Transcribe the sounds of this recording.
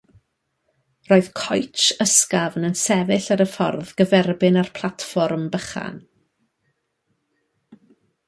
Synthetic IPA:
roːɨð̥kʰɔjt͡ʃəskavnənsɛvɪɬaɾəfɔ̰rðɡəvɛrbɪnarpʰl̥ˠatfɔrmbəχa̰n

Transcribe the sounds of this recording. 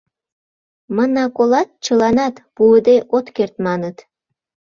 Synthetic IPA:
mɤnɑkolɑt̪̚t͡ɕɤlɑnɑt̪puəd̪eʔot̪kert̪mɑnət̪

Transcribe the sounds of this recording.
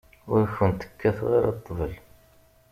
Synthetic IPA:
ʊɾçənt̪ə̥kːæθʁḭɾɑt̪ˤːəvəl

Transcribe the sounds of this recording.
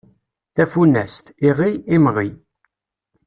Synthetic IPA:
θæfunːæst̪iʁiimʁi

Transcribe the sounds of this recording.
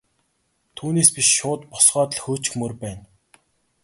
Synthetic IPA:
t̪ʰuːneːspiʃʃʊːt̪pʊ̥sɢœːt̪ɮxɵːt͡ɕkxmɵrpæːn

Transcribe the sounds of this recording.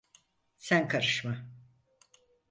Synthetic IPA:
sænkʰaɾɯʃma

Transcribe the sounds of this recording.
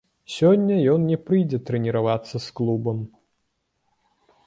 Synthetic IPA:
sʲɔnʲːɐjɔnnʲɛpɾɨjd͡zʲɛt̪ɾɛnʲiɾavat̪sːɐsklˠubɐm

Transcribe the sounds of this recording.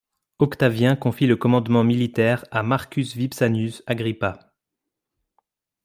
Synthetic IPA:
ɔkt̪avjɛ̃kɔ̃filəkɔmɑ̃d̪mɑ̃milit̪ɛːʁamaʁkʲysvipsanysaɡʁipa

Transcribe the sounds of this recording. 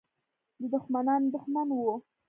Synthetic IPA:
d̪əd̪ʊxmanɑnd̪ʊxmanwo

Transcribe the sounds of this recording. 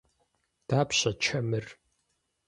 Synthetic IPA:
d̥aːpɕɐt͡ʃʰɐmɨr

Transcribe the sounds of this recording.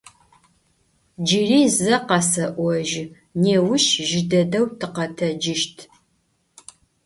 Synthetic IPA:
d͡ʒiriːzɐqɑsɐʔʷɔʒ | neːwʊʃʒɪdɐdɐwtʰɨqɐtʰɐd͡ʒɪʃtʰ

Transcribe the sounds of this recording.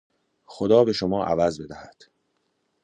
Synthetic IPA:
xod̪ɒːbe̞ʃo̞mɒːʔæ̰væzbe̞d̪æhæd̪̥

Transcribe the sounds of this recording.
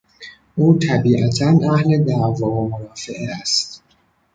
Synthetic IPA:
ʔuːt̪ʰæbiːʔæt̪ʰænʔæhled̪ævɒːvomoɾɒːfeʔeæst̪

